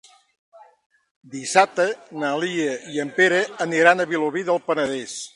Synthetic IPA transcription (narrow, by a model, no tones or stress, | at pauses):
d̪isat̪ənaliəiəmpeɾəːniɾanəβiloβiðəlˠpənəðes